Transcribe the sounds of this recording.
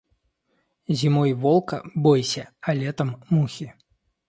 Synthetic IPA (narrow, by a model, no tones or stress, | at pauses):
zʲimɔjvɔlˠkɐbɔjsʲɐalʲɛt̪ɐmːuxʲi